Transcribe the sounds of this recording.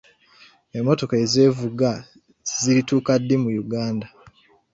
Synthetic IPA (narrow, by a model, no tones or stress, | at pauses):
emːo̞to̞kaeze̞ːvuɡa | z̥iɾituːkadːimujuɡaːnda